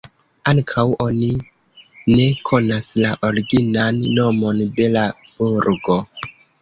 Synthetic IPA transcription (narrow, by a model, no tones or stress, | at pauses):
aŋkʰawʔo̞ni | ne̞kʰo̞naslaʔo̞ɾiɡinanːo̞mo̞nde̞la | b̥uɾɡo̞